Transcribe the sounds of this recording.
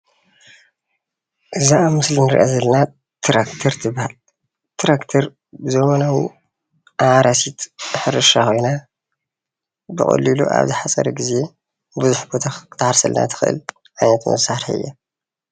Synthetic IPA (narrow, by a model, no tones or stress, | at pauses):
ʔɨzaamɨslinɨɾḭʔazɐlɐna | t̪ʰɾakt̪ʰɐɾt̪ʰɨbhal | t̪ʰɾakt̪ʰɐɾ | bɨzɐmanawi | ʔaʕaɾasit̪ħɨɾɨʃakʰo̞jna | bɨχʼɐ̰lːiluʔa̰βzɨħat͡sʼɐ̰ɾɐɡize̞ | bɨzuħbot̪ʰakɨ̥t̪ʰaħaɾsɐlna̰t̪ʰɨ̥xɨʔɨ̰l | ʕajnɐt̪mɐ̰saɾħiɨ̰jːa